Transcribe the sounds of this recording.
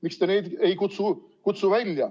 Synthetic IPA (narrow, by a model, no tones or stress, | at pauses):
mikst̪eneːd̪eikut̪su | kut̪suvælʲjɑ